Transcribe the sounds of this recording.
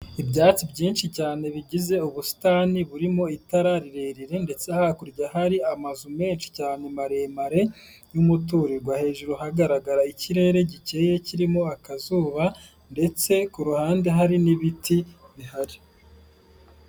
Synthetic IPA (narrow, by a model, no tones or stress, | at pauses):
ibɟaːt͡sibɟiːnʃicaːne̞βiɟize̞uβusi̥taːniβuɾimo̞itaɾaɾiɾe̞ɾiɾe̞nde̞t͡sehakuɾɟahaɾiamazume̞ːnʃi̥caːne̞maɾe̞maɾe̞ | jumutuːɾeɾɡwahe̞ːʒuɾohaɡaɾaɡaɾaiciɾe̞ːɾe̞ɟice̞je̞ciɾimo̞akazuːβa | nde̞t͡se̞kuɾuhaːnde̞ɦaɾiniβitiβihaɾi